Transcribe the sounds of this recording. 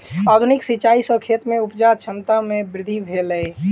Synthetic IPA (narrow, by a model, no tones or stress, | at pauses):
ad̪ʱunɪksit͡ʃaːisɔ̃kʰet̪mẽupd͡ʒat͡ʃʰənt̪amẽbɾɪd̪ʱibʱelə